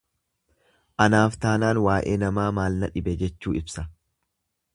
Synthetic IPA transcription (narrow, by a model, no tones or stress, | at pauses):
ʔɐnaːft̪aːnaːnwaːʔe̞ːnɐmaːmaːlnɐᶑɪbɛd͡ʒɛt͡ʃːuːɪbsɐ